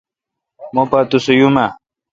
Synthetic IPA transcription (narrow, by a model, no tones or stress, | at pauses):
mopat̪usujuma